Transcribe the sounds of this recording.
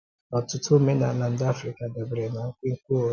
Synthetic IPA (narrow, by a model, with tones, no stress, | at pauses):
ɔ̃˨tʊ˦tʰu˦me˦na˨lã˨n̩˦da˦fɾi˦ka˨da˨bɾɛ˨nã˨˦ŋ̩˦kĩ˦ŋ̩˦ku˦˨˦